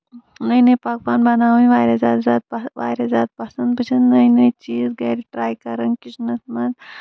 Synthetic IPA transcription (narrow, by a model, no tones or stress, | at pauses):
nɐjnɐjpak̚paːnbɐnaːwnʋaːjɾʲɐzʲaːd̪zʲaːd̪̚ʋa̰ːjɾɐzʲaːd̪̚pɐsɐnd̪bɨt͡ʃʰɐnnɐjnɐjt͡ʃiːzɡɐɾiʈɾaːjkɐɾɐnkit͡ʃnɐsmɐd̪